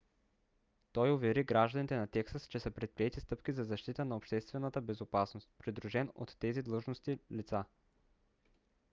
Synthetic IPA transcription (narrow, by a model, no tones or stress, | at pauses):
t̪ɔjʊvɛɾiɡɾaʒd̪ɐnit̪ɛnɐt̪ɛksəst͡ʃɛsəpɾɛt̪̚pɾiɛt̪ist̪ɤpk̟izɐzɐʃt̪it̪ənɐopʃt̪ɛst̪vɛnət̪əbɛzopasnost̪pɾid̪ɾuʒɛno̰t̪ːɛzid̪lˠɤʒnost̪ilit̪sa